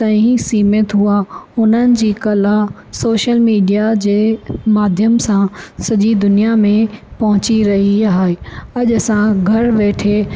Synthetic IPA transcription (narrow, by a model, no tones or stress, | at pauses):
t̪ɐ̃ːisiːmet̪ɦuaʊn̤ənɪ̆d͡ʑiːkɐla | soːʃəlmiːɖijad͡ʑeːmaːd̪ʱjəmsãsɐʄid̪ʊnijamẽpɐɦʊ̃t͡ɕiɾɐɦiaɦeɐʄsãɡʱɐɾʋeːʈʰe